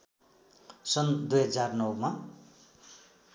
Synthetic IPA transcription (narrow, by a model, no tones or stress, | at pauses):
sʌnd̪ujɦʌd͡zarnʌwma